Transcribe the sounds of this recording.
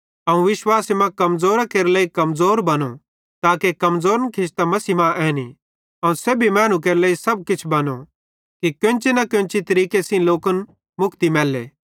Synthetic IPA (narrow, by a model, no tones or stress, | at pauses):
ɐũʋɪʃwaːsimãkɐmzoːɾakeːɾelɐːikɐmzoːɾbɐno | t̪aːkekɐmzoːɾənkʰɪst̪amɐsimãʔɛːnḭ | ɐũseːbʱimɛːñũk̬eːɾelɐːisɐb̚kɪt͡ʃʰbɐno | kikjõnt͡ʃinɐkʊ̃nt͡ʃit̪ɐɾiːkesĩloːkən | mʊkʰt̪imɛːlːḛː